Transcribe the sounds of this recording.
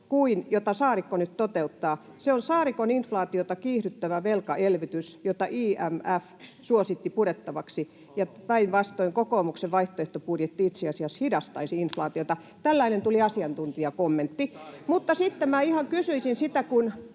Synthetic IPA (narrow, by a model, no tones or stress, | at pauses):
kuinjot̪ɑsɑːrikːonyt̪t̪ot̪eut̪ːɑː | seonsɑːrikoninflɑːt̪iot̪ɑkiːhɾyt̪ːæʋæʋelkɑʔelʋit̪ysjot̪ɑʔiːæmæf | suosit̪ːipuɾet̪ːɑʋɑksi | jɑpɑinʋɑst̪oiŋkokoːmukseʋʋɑiht̪oeht̪opurjet̪ːiit̪seɑsiɑshidɑst̪ɑisiinflɑːt̪iot̪ɑ | t̪ælːɑinent̪uliɑsiɑnt̪unt̪iɑkomːent̪ːimut̪ːɑsit̪ːemæihɑŋkysyisinsit̪ækun